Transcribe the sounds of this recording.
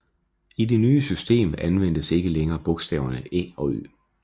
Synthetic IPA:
ide̝nyːəsysd̥e̝̰ːmænʋen̰d̥əse̝ɡ̥əleŋɐːb̥ɔ̽ɡ̥sd̥ɛ̰ːʊɐnəʔɛ̰ːɒ̽ø̰ː

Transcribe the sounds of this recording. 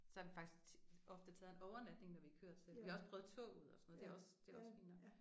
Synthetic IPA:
sɒ̽hɑ̈denfɡ̥d̥i̥sɡ̥ɒ̽fd̥ət͡sʰɛːð̞ˠenɒʊɐnæd̥ne̝ŋnɒʋiækʰøɐ̰d̥selʋihɑɒsb̥ʁœːð̩ˠt͡sʰɔ̰̽ːuð̞̰ˠɒsɒ̥noð̩ˠde̝æɒ̽sd̥e̝æɒ̽sminɐ

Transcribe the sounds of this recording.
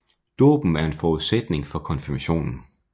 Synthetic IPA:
d̥o̝̰ːb̥m̩æɐe̝nfɒːuð̞̩ˠsed̥ne̝ŋfɒ̽kʰɒ̽nfiɐmæɕo̝̰ːnn̩

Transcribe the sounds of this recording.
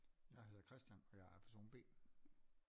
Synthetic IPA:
jɑ̈ɪɦe̝ð̞ˠɐkʰʁɛsd̥jænɒ̽jɑ̈ɪæɐpʰæɐso̝̰ːnb̥e̝̰ː

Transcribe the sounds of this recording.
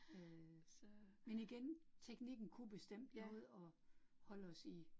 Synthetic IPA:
ø | meniɡ̥ent͡sʰeɡ̥niɡ̥n̩kʰub̥e̝sd̥em̰d̥mo̝ð̞̩̰ˠɒ̽hɒ̽l̰əɒ̽si

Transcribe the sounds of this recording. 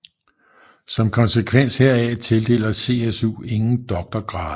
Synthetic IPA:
sɒ̽mkʰɒ̽nsekʰʋen̰sheɐ̰æt͡sʰe̝ld̥e̝̰ːlɐse̝ːesṵːe̝ŋn̩d̥ɒ̽ɡ̥̚d̥ɐɡ̥ʁɑ̈ːðˠ

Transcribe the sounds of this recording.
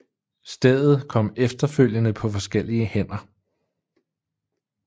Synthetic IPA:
sd̥eð̰ˠð̞̩ˠkʰɒ̽m̰efd̥ɐføl̰jənəpʰɒ̽fɒ̽sɡ̥el̰iəhen̰ɐ

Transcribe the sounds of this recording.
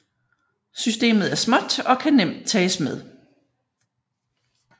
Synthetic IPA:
sysd̥e̝̰ːməð̞̩ˠæɐsmɒ̽d̥ɒ̽kʰænem̰d̥̚t͡sʰɛːsmeð̞ˠ

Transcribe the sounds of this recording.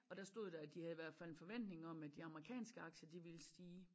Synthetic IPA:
ɒ̽ɾ̥ɑ̈sd̥o̝ð̰ˠd̥ɑ̈æd̥ihæðˠiʋæɐ̰d̥fæl̰enfɒ̽ʋen̰d̥ne̝ŋɒ̽mæd̥iɑ̈məʁikʰɛ̰ːnsɡ̥əɑ̈ɡ̥ɕɐd̥iʋeləsd̥iː

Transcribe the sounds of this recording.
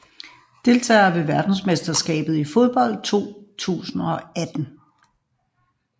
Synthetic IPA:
d̥e̝lt͡sʰɛ̰ːɐʋe̝ʋæɐd̥n̩smesd̥ɐsɡ̥ɛ̰ːb̥ð̩ˠifoð̞ˠb̥ɒ̽l̰d̥̚t͡sʰo̝̰ːt͡sʰṵːsn̩ɒ̽æd̥n̩

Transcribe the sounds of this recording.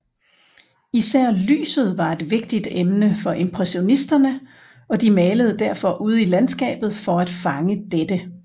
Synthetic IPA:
isæɐ̰ly̰ːsð̞̩ˠʋɑ̈e̝d̥ʋe̝ɡ̥̚d̥id̥emnəfɒ̽ʔe̝mpʰʁɛɕo̝nisd̥ɐnə | ɒ̽d̥imɛːləð̞̩ˠd̥æɐfɒ̽ʔuð̞ˠilænsɡ̥ɛ̰ːb̥ð̞̩ˠfɒ̽æd̥fɑ̈ŋəd̥ed̥ə

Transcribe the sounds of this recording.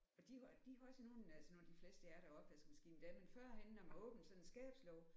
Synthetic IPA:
ɒ̽d̥id̥ihæɒsəno̝ːnælsənoːnd̥ifle̝ːsd̥əæɐɾ̥æɒ̽b̥ʋæsɡ̥mæsɡ̥ḭːnd̥æmenfɶɐ̰ɦenːɒmæɔ̰̽ːb̥n̩sɒ̽nensɡ̥ɛ̰ːb̥slɒʊ

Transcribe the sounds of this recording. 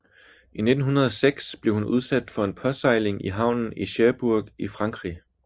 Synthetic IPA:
ine̝d̥n̩ɦunɐð̞ˠɒ̽seɡ̥sb̥le̝ʊhunuð̞ˠsæd̥fɒ̽e̝npʰɒ̽sɑ̈ɪle̝ŋʔiɦɑ̈ʊ̰nn̩iɕæɐb̥uɐ̰ɡ̥ifʁɑ̈ŋɡ̥ʁḭ

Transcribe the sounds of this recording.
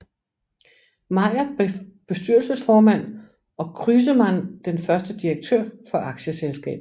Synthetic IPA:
mɑ̈ɪ̰ɐ̥b̥e̝sd̥yɐ̰lsəsfɒːmæn̰ | ɒ̽kʰʁyːs̬əmænd̥enfɶɐsd̥əd̥ieɡ̥̚t͡sʰøɐ̰fɒ̽ʔɑ̈ɡ̥ɕəselsɡ̥ɛ̰ːb̥ˠ

